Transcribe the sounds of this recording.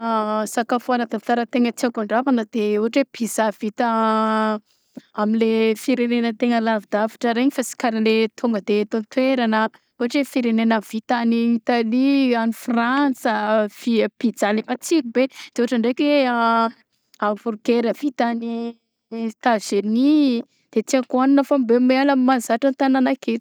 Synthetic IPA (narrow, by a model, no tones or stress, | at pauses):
asakafoanət̪at̪aɾət̪eŋət͡siakaɳɖ͡ʐapanəd̪euɦaʈ͡ʂepʰizav̥it̪ə | amilefiɾenenət̪eŋəlavid̪̥avi̥ʈ͡ʂəɾeɲifasi̥kaɾilet̪ʰuŋɡəd̪et̪ont̪weɾanə | uɦaʈ͡ʂefiɾenenav̥it̪aniːt̪alianifransəv̥iəpid͡zalemat͡siɾibed̪̥eoaʈ͡ʂəɳɖ͡ʐekea | avuɾukeɾəv̥it̪ani | t̪azeni | d̪̥et͡siakuaninəfambemealamimanzaʈ͡ʂant̪ananakʰe